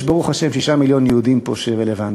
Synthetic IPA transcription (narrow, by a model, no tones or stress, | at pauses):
ʃbaʁuχaʃemʃiʃamiljo̞njɛhud̪impoʃeʁelevan